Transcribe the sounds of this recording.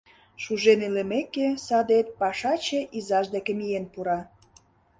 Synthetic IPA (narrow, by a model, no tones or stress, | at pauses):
ʃuʒenelemekesɑd̪et̪̚pɑʃɑt͡ɕeʔizɑʒd̪ekĕmijenpuɾɑ